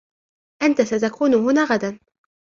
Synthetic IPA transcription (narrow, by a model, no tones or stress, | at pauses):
ʔant̪asat̪akuːnʊɦʊnaːɣad̪an